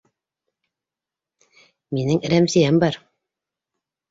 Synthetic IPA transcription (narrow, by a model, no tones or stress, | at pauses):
minɘŋɾæmsijæmbɑɾ